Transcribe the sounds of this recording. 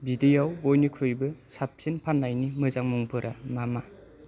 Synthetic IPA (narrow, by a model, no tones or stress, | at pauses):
bidejawbojnikʰɾujbɯsap̚sinpʰanlajnimɯzaŋmuŋpʰɯɾʔamama